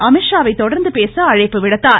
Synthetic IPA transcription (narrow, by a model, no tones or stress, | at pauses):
ɐmɪʂaːʋɐɪt̪ːɔɽɐɾnd̪ɯpeːsɐɐɻɐɪpːɯʋɪɽɐt̪ːaː